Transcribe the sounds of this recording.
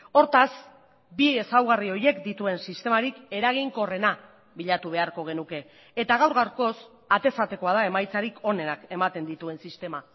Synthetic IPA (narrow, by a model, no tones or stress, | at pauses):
o̞ɾt̪as | bie̞sawɣ̞ario̞je̞kd̪it̪ue̞nsist̪e̞maɾike̞ɾaɣ̞iŋko̞re̞na | βiʎat̪uβ̞e̞aɾko̞ɣ̞e̞nuke̞ː | t̪aɣawɾɣawɾko̞s | at̪e̞sat̪e̞ko̞aðae̞majt͡saɾikʰo̞ne̞nake̞mat̪e̞nd̪it̪ue̞nsist̪e̞ma